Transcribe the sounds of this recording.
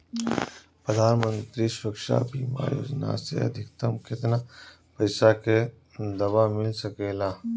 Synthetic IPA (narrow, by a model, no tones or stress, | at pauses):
pɾəd̪ʱaːnmə̃nt̪ɾiswɐkʃa̰biːma̰jo̰ːd͡ʒna̰sḛɐ̰d̪ʱɪk̚t̪əmkɪt̪na | pɐɪsake | d̪ɐbamɪlsɐkeːlaː